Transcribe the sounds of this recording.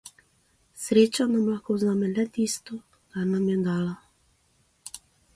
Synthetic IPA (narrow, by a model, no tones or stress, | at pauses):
sɾeːt͡ʃanamlakɔwzamɛnɛt̪ist̪ɔ | k̪aɾnamjɛd̪aːla